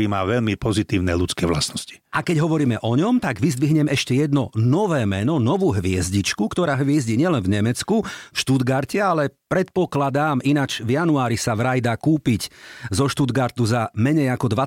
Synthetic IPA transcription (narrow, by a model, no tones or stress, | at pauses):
ɾiːmaːʋɛʎmipɔzit̪iːʊnɛʎut͡skɛːʋla̰snɔsci̥ʔakɛɟɦɔʋɔɾiːmɛʔɔɲɔmt̪aɡʋizd̪ʋiɦɲɛmɛʃcɛjɛd̪nɔnɔʋɛːmɛnɔnɔʋuːɦʋɪɛzɟit͡ʃkukt̪ɔɾaːɦʋɪɛzɟiːɲɪɛlɛnvɲɛmɛt͡skufʃt̪ud̪ɡaɾcɛalɛpɾɛt̪̚pɔklad̪aːminat͡ʃvjanuaːɾisaʋɾajd̪aːkuːpiczɔʃt̪ud̪ɡaɾt̪uzamɛɲɛjakɔd̪ʋa